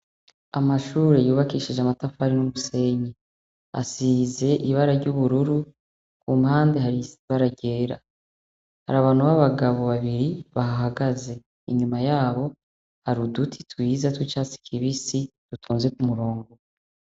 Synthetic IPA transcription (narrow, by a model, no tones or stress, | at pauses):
amaʃuːɾe̞juːβakiːʃiʒamatafaɾinumuse̞ɲi | a̰size̞ʔiβaɾaɾɟuβuɾuɾu | kuːmhaːndeɦaiβaɾaɟe̞ːɾa̰ | ha̰ɾaβaːn̥uβaβaɡaβo̞βaβiɾiβaɦaɦaɡaze̞ | ḭɲumajaːβo̞ | haɾudutʰi̥twiːzatwit͡ʃaːt͡si̥kʰiβisid̥utʰoːnzwe̞kumuɾoːŋɡo